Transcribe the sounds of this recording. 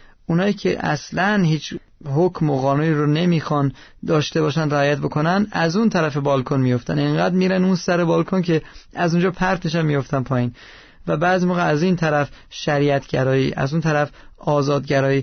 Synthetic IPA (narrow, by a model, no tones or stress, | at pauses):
unɒːiːcʰḛʔæ̰slænhiːt͡ʃʰ | ɦokʰmoɣɒːnuniːɾone̞miːxɒnd̪ɒːʃt̪e̞bɒːʃænd̪ɾæɒːjæt̪̚bo̞kʰo̞nænæzunt̪ʰæɾæfe̞bɒlkʰonmijo̞ft̪æneŋɢæːd̪miːɾænunsæɾe̞bɒːlkʰoncʰe̞æzund͡ʒɒːpʰæɾt̪ʰmiʃænmijo̞ft̪ænpʰɒːjiːn | væbæːzimoːɣeæzint̪ʰæɾæfʃæɾiæt̪ʰɟæɾɒːiːʔæ̰zunt̪ʰæɾæfɒːzɒːd̪̚ɟæɾɒːjiː